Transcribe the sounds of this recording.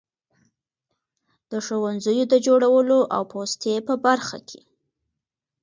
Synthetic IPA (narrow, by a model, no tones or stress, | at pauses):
d̪̥əʃowanzəjod̪əd͡ʒoɽawəloʔa̰wpost̪epəbaɾxa̰kʰe̥